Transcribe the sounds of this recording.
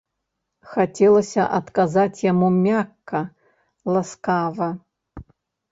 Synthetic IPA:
xat͡sʲɛlˠɐsʲɐʔɐt̪kazat͡sʲjamumʲakːɐ | lˠaskavɐ

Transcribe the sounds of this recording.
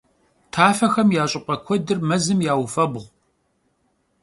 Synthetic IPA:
tʰaːfɐxɐmjaːɕʼɪqʼɐkʷʰɔdɨrmɐzɨmjaːwfɐbʁʷ

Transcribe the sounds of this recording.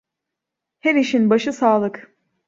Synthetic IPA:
heɾiʃinbaʃɯsaːlˠɯk

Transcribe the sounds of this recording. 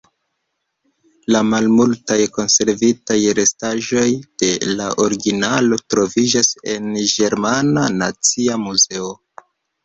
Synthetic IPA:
lamalmultajko̞nse̞ɾvitajɾe̞staʒo̞jd̥e̞laʔo̞ɾiɡinalo̞tɾo̞vid͡ʒase̞nɡe̞ɾmanana̰t͡siamuze̞o

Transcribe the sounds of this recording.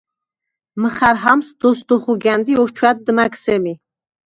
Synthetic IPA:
məχæɾɦamsd̪ɔsd̪uχuɡænd̪iɔɾt͡ʃʰwad̪̚d̪maksɛmi

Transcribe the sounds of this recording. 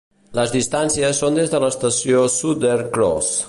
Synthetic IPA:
ləzðist̪ansiəsːond̪ezðələst̪əsiosut̪əɾkɾɔ̰s

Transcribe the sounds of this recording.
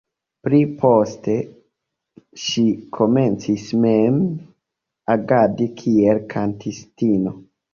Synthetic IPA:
pɾipʰo̞ste̞ | ʃikʰo̞me̞nt͡sismem | aɡadikʰielkʰantʰistino

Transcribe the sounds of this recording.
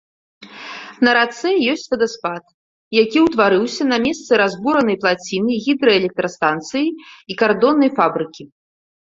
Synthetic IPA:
nɐɾat̪sɛjɔsʲt͡sʲvʲɐd̪ɐspat̪ | jakʲiwt̪vaɾɨwsʲɐnɐmʲɛst̪sɨɾazbuɾɐnɐjplˠat͡sʲinɨɣʲid̪ɾɐɛlʲɛk̚t̪ɾɐst̪ant̪sɨjiikard̪ɔnːɐjfabɾɨkʲi

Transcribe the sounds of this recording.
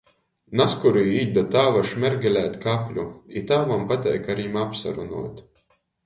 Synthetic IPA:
naskuɾujiːd̪at̪aːvaʃmʲɛɾɡʲɛlʲæːt̪kapʲlʲuit̪aːmampat̪ʲɛ̰jkaɾimapsa̰ɾunṵɔt̪ʲ

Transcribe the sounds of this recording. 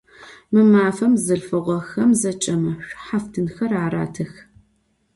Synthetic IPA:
mɨmaːfɐmzɐɮfɨʁʷɔxɐmzɐt͡ʃʼɐmɐɕʷħaftʰɨnxɐraːɾa̰ːtʰɨx

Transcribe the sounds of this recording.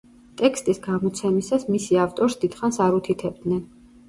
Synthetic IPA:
t̪ʼɛkʰst̪ʼisɡamɔt̪sʰɛmisasmisiaft̪ʼɔɾsd̪id̪̥χansaɾut̪ʰit̪ʰɛb̚d̪nɛn

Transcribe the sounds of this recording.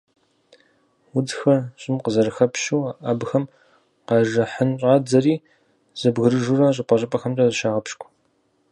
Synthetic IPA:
wʊdxɐrɕʼɪmqəzɐrɨxɐpʃuːaʔɐbxɐm | qɐʒɐħənɕʼaːd͡zɐriː | z̥ɐbɣɨɾɨʒurɐɕ̬ʼɪpʷʼɐɕʼɪpʼɐxɐmtʼɐzɨʃaːʁɐpʃkʷʰʼ

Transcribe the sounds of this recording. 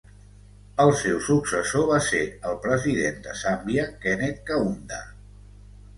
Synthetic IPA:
əlˠsewsuksəsoβaseəlˠpɾəziðend̪əsambjəkɛnet̪̚kəund̪ə

